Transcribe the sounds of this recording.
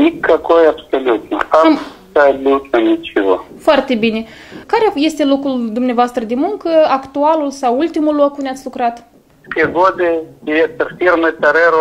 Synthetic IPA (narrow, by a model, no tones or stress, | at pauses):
mikakojabsolut̪asadut̪anit͡ʃivafoart̪e̞bine̞ | kaɾeje̞st̪e̞lo̞kɾuld̪umneavoast̪ɾəd̪emuŋkəakt̪ualulsawult̪imulːo̞kund̪eat̪sʲlukɾat̪ | skeɡod̪eiet̪erfirmət̪aɾeɾo